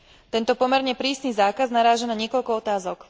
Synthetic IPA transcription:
t̪ɛnt̪ɔpɔmɛɾɲɛpɾiːsniːzaːkaznaɾaːʒanaɲɪɛkɔʎkɔɔt̪aːzɔk

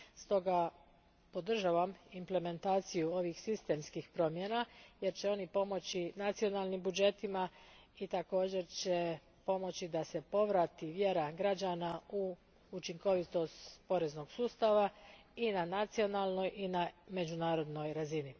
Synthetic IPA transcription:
st̪o̞ɡa | po̞d̪r̩ʒaːʋamimple̞me̞nt̪aːt̪sijuo̞ʋixsist̪e̞mskixpɾo̞mjenaje̞ɾt͡ɕe̞o̞nipo̞mo̞t͡ɕinat̪sio̞nalˠnimbud͡ʒe̞t̪ima | it̪ako̞ːd͡ʑe̞ɾt͡ɕe̞ | po̞mo̞t͡ɕid̪ase̞po̞ʋɾat̪iʋje̞ɾaɡɾad͡ʒanau | ut͡ʃiŋko̞ʋit̪o̞st̪po̞ɾe̞zno̞ɡ̥suːst̪aʋa | inanat̪sio̞naːlˠno̞jʔiname̞d͡ʒunaːɾo̞d̪no̞jɾazini

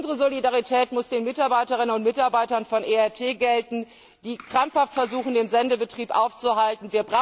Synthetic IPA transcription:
ʔnzəʁəzolidaʁitʰɛːtmʊsd̥eːnmɪtaɐbaɪtəʁɪnənʊntmɪtaɐbaɪtɐnfɔnʔeːɛɐtʰeːɡɛltn̩ | d̥iːkʁ̥amfhaftfɛɐzuːxn̩deːnzɛndəbətʁ̥iːpʔa̰ʊft͡suɦaltn̩viːɐbʁa

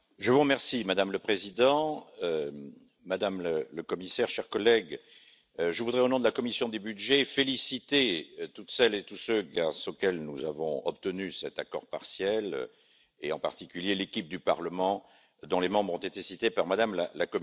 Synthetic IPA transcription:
ʒəvuʁəmɛʁsimad̪amləpχezid̪ɑ̃ | mad̪amlələkɔmisɛʁʃɛʁkɔlɛɡ | ʒəvud̪ʁɛonɔ̃d̪əlakɔmisjɔ̃d̪ebydʒefelisit̪et̪ut̪sɛlet̪usøɡasokɛlnuza̰vɔ̰̃ɔpt̪ənysɛt̪akɔ̰ʁpaʁsjɛl | eɑ̰̃pa̰ʁt̪ikʲyljelekʲip̚d̪ypa̰ʁləmɑ̃ | d̪ɔ̃lemɑ̃bʁɔ̃t̪et̪esit̪epaʁmad̪amlalakɔ

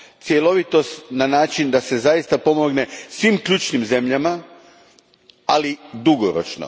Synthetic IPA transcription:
t̪sʲjelo̞ʋit̪o̞st̪nanaːt͡ʃind̪ase̞zaist̪apo̞mo̞ɡne̞sʋiːmkʎuːt͡ʃnimze̞mʎama | alid̪uɡoɾo̰t͡ʃno̰

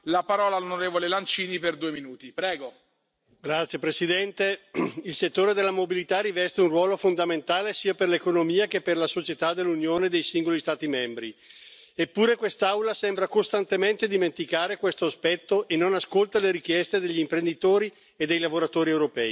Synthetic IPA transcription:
lapaɾɔːlaːlonoɾeːvolelant͡ʃiːniperd̪uːeminuːt̪ipɾɛːɡo | ɡɾat̪sːjepɾesid̪ɛnt̪eilset̪ːoːɾed̪elːamobilit̪arivɛst̪eunrwɔːlofond̪ament̪aːlesiːaperlekonomiːakepːerlasot͡ʃet̪ad̪elːunjoːned̪ejsiŋɡolist̪aːt̪imɛmbɾi | epːuːɾekwest̪aawlasɛmbɾakost̪ant̪ement̪ed̪iment̪ikaːɾekwest̪oaspɛt̪ːoʔenːonaskolt̪aleɾik̟jɛst̪ed̪eʎːimpɾend̪it̪oːɾi | ed̪ːejlavoɾat̪oːɾiewɾopɛːi

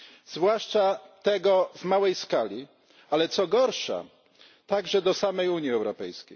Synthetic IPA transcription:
z̥vwaʂt͡ʂat̪ɛɡɔvmawɛjskalʲi | alɛt̪sɔɡɔɾʂa̰ | t̪aɡʐɛd̪ɔsamɛjuɲjiɛwɾɔpɛjskʲej

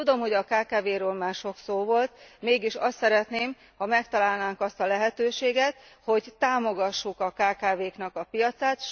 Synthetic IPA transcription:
ud̪o̞mho̞ɟɒkaːkaːveːɾøːlmaːrʃo̞ksoːvo̞lt̪meːɡiʃɒst̪sɛɾɛt̪neːm | hɒmɛkt̪ɒlaːlnaːŋkɒst̪ɒlɛɦɛt̪øːʃeːɡɛt̪ho̞ɟt̪aːmo̞ɡɒʃːukɒkaːkaːveːknɒkɒpijɒt̪saːt̪ʃ

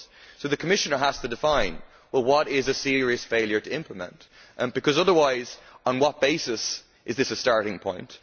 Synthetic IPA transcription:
soʊðɨkʰəmɪʃənə˞ɦaz̥tʰədɪfãɪ̃n | wɛlˠwʌɾɪzɨsɪɹiɨsfeɪlˠjə˞ɾɨɪ̃mpʰləmɛ̰̃ntʔb̥ɨkʰʌzʌðə˞waɪzə̃n̩wʌt̚b̥eɪsɨs | ʔɨzðɪsəstɑɹɾɪ̃ŋpʰɔ̰̃ɪ̃nt

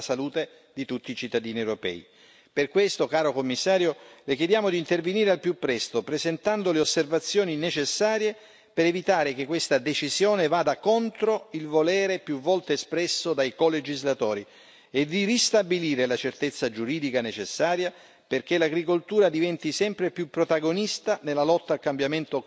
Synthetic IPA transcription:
saluːt̪e | d̪it̪ut̪ːiːt͡ʃit̪ːad̪iːniewɾopɛ̰ːḭ | perkwest̪okaːɾokomːisːaːɾjolekjed̪jaːmod̪iːnt̪erveniːɾealpjupːɾɛst̪opɾezent̪and̪oleosːervat̪sːjɔːninet͡ʃesːaːɾje | peɾevit̪aːɾek̟ekːwest̪ad̪et͡ʃizjɔːnevaːd̪akont̪ɾoilvolɛːɾepjuvːɔlt̪eːspɾɛsːod̪ajkoled͡ʒizlat̪ɔːɾi | ed̪irist̪abiliːɾelat͡ʃert̪et̪sːad͡ʒuɾiːd̪ikanet͡ʃesːaːɾja | perk̟elaɡɾikolt̪uːɾad̪ivɛnt̪isɛmpɾepjupːɾot̪aɡonist̪anelːalɔt̪ːaːlkambjament̪o

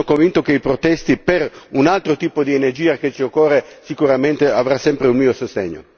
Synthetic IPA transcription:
okõɱvint̪okeipɾot̪ɛst̪ipeɾunalt̪ɾot̪iːpod̪ienerd͡ʒiːaket͡ʃiokːɔːrːesikuɾament̪eavɾasːɛmpɾeulmiːosost̪ḛɲːo̰

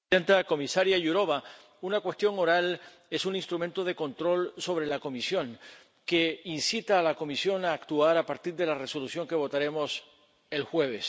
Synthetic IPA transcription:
ent̪ako̞misaɾjaʝuɾo̞βa | unakwe̞st̪jo̞ŋo̞ɾal | e̞sunĩnst̪ɾument̪o̞ðe̞ko̞nt̪ɾo̞lso̞β̞ɾe̞lako̞misjo̞ŋ | ke̞insit̪aːlako̞misjo̞naːkt̪uaɾapaɾt̪iɾðe̞lare̞so̞lusjo̞ŋke̞β̞o̞t̪aɾe̞mo̞s | e̞lxwe̞β̞es

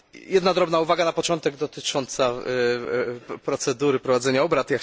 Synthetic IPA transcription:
jɛd̪nad̪ɾɔbnauvaɡanapɔt͡ʂɔnt̪ɛɡd̪ɔt̪ɘt͡ʂɔnt̪sa | pɾɔt̪sɛd̪uɾɘpɾɔvad̪zɛɲaɔbɾat̪jak

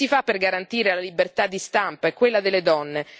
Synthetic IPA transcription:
ifapːerɡaɾant̪iːɾelalibert̪ad̪ːist̪ampaɛkːwelːad̪elːed̪ɔnːe

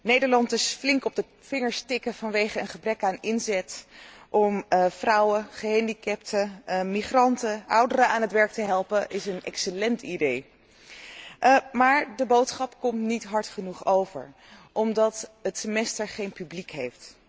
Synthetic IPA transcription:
nejdəɹlɑntɪsflɪŋkɔb̚də | fɪŋəɹstɪkəv̥ɑnʋejχəənχəbrɛkaːnɪnzɛtʔɔmfrʌwəχəɦɛndikɛp̚təmiχrɑntəʔʌwdəɾəaːnɦətʋɛɹk̚təɦɛlˠpəʔɪsənɛ̰ksəlɛntidej | maːɹdəbowtsχɑpkɔmtnitɦɑɹtχənuχowvə̰ɹ | ʔɔmdɑtətsəmɛstəɹχejnpyblikɦejft

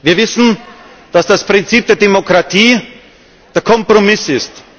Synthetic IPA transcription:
viːɐvɪsn̩ | d̥asd̥aspʁ̥ɪnt͡siːp̚d̥eːɐdemokʁ̥atʰiː | d̥eːɐkʰɔmpʁ̥omɪsɪst

